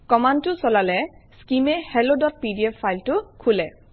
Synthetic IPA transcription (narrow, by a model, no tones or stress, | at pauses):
kɔmantʊsɔlalɛskimɛhɛlodɔt̚pidiɛfʰːajltʊkʰulɛ